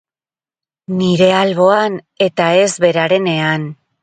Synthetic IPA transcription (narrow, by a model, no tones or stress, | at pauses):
niɾe̞alβo̞an | e̞t̪ae̞zβe̞ɾaɾe̞ne̞an